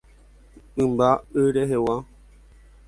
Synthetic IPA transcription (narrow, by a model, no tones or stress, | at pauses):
mbaɨɾeɦewa